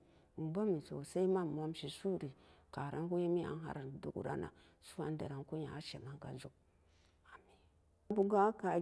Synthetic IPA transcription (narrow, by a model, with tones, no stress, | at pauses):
m̩˨ba˦mi˨so˨sa˦i˦ma˦m˨a˦mʃi˨su˦ɾi˨ka˨ɾʔa˦ŋ˦ku˦je˦mi˦a̰˨˦n˦ɦa̰˦ɾa˨dṵ˨kṵ˨ɾa̰˦na̰˨ | su˦a˨n˦dḛ˨ɾa˨nku˦ɲa˨a˦ʃe˨ma˦ŋka̰˨zu˦k̚ | a˨mi˨n | bu˦ɡa˦ka˨